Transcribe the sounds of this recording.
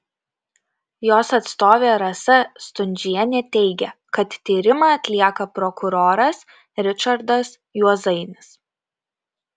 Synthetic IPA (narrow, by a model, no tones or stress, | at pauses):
joːsɐt̪st̪oːʋʲeːɾɐsɐst̪ʊnʲd͡ʒʲɪjɛnʲɛt̪ʲɛɪɡʲɛkɐt̪t̪ʲiːɾʲɪmɑɐt̪ʲlʲiɛkɐpɾɔkʊɾoːɾɐs | ɾʲɪt͡ʃɐɾd̪ɐs | juɔzɐɪnʲɪs